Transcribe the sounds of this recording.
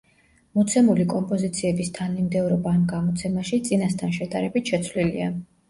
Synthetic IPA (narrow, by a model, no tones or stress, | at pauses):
mɔt̪sʰɛmulikʼɔmpʼɔzit̪sʰiɛbist̪ʰanːimd̪ɛvɾɔbaːmɡamɔt̪sʰɛmaʃit̪sʼinast̪ʰanʃɛd̪aɾɛbit̪ʰʃɛt̪sʰvlilḭa